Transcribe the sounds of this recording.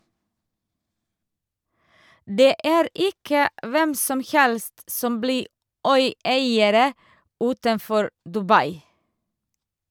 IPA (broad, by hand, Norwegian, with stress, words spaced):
ˈdeː ˈʔæːɾ ˈɪkə ˈʔʋɛm ˈsɔm ˈhɛlst ˈsɔm ˈbliː ˈœʏˌæɪəɾə ˈʉːtənˌfɔɾ dʉˈbɑɪ